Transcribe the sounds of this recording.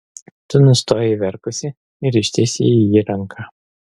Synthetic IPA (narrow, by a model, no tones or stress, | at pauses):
t̪ʊnʊst̪oːjɛʋʲɛɾkʊsʲɪ | ɪɾɪʃʲt̪ʲɪsʲḭijiːɾɐŋˑkʰɑ